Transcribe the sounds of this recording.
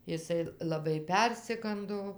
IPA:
ɪˈsɐɪ lˠɐˈbɐɪ ˈpʲɛrʲsʲɪɡɐndoː

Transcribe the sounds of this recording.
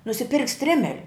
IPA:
nʊsʲɪˈpʲɪrktʲ ˈsʲtʲrʲɪmʲɛlʲʊ

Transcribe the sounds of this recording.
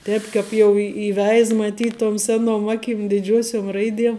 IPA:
ˈtʲɛːp kɑːp jɛʊ ɪ iːˈʋʲɛɪs mɐˈtʲiːt toːm ˈsʲæːnoːm ˈɑːkʲɪm dʲɪˈd͡ʒʲuɔsʲoːm ˈrɐɪdʲiɛm

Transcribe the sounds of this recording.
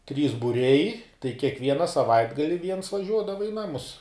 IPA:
tʲrʲiːs bʊˈrʲɛɪ tɐɪ kʲiɛkˈʋʲiɛnɐ sɐˈʋɐɪdɡɐlʲɪ ʋʲiɛns ʋɐˈʒʲuɔdɐʋɐ ɪ ˈnɑːmʊs

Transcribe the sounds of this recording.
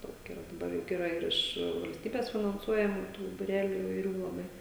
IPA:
ˈdɐʊk ɪˈrɐ dɐˈbɐr ˈjʊk ɪˈrɐ ɪr ˈɪʃ ʋɐlʲsʲˈtʲiːbʲeːs fʲɪnɐnˈsuɔjɛmuː tuː bʊˈrʲæːlʲʊ ɪʋɐɪˈrʲuː lˠɐˈbɐɪ

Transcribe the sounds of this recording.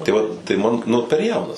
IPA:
tɐɪ ˈʋɐt tɐɪ ˈmɐn ˈnʊ pʲɛr ˈjɛʊnɐs

